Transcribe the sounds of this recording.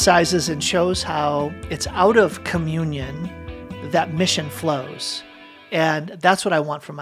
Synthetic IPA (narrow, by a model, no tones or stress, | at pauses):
saɪzɨzɨ̃nʃoʊz̥haʊɨtsaʊɾʌv̥kʰɨmjʉ̃njɨ̃nðɨt̚mɪʃɨ̃nfloʊz̥ | ɨ̃nðætswʌɾaɪwɑ̃ntfɹʌ̃m